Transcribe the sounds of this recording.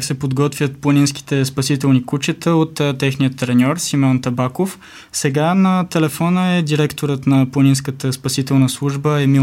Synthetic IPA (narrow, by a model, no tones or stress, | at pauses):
ksɛpod̪ɡɔt̪vʲjət̪̚plˠəninsk̟i̥t̪ɛspɐsit̪ɛlˠnikut͡ʃət̪əot̪ːt̪ːɛxnijət̪ːɾɛnʲɔɾsimɔnt̪ɐbakof | sɛɡanɐt̪ɛlɛfɔnəɛd̪iɾɛkt̪oɾət̪nɐplˠɐninskət̪əspɐsit̪ɛlˠnəslˠuʒbəɛmi